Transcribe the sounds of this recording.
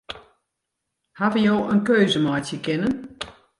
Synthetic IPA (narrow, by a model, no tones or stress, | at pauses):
haʋəjoːʔənkøːzəmɔjtjəkɪnən